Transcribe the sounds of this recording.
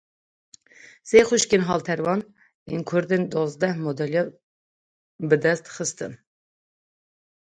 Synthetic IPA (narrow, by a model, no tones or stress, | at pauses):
seχuʃkinɦɑlt̪ʰɛɾvɑn | ḭnkʰuɾd̪ind̪ɔzd̪ɛhmɔd̪ɛljɛ | bɨd̪ɛst̪χəst̪ɨn